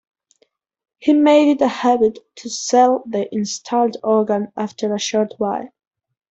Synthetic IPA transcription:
himeɪɾɨtəhæbɨtʰːəsɛlˠðiʔɪ̃nstʰɔlˠdɔɹɡə̃næftʰə˞əʃɔɹt̚ʰwaɪ

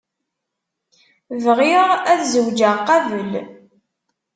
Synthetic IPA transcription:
vʁiʁæθzəwd͡ʒəʁqɑvəl

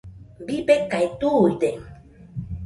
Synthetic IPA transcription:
bibekajt̪ujd̪e

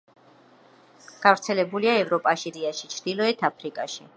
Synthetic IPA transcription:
ɡ̥avɾt̪sʰɛlɛbuliaɛvɾɔpʼaʃiɾiaʃi̥t͡ʃʰɾd̪ilɔɛt̪ʰapʰɾikʼaʃi

